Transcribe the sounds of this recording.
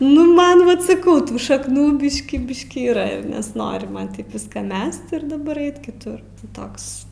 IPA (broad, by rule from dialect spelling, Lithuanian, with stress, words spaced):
nʊ ˈmɐn ˈʋɐt sɐˈkɐʊ ˈtuː ʃɐkˈnuː ˈbʲɪʃʲkʲiː ˈbʲɪʃʲkʲiː iːˈrɐ ɪr nʲɛsˈnoːrʲɪ ˈmɐn ˈʋʲɪskɑː ˈmʲɛst ɪr dɐˈbɐr ˈɛɪt kʲɪˈtʊr ˈtoːks